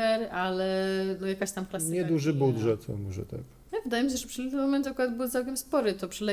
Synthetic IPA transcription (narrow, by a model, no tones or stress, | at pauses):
ɛɾalɛnɔjakaɕt̪amklasɲɲɛd̪uʐɘbuwd̪ʐɛɔ̰mɔʐɛ̰t̪a̰k | ɛvɨd̪ajɛmʲiɕ̬ɛʐɛpʂɨlɛt̪ɛmɔmɛnt̪akuɾad̪bɘwt̪sawkʲɛmspɔɾɘt̪ɔpʂɛlɛ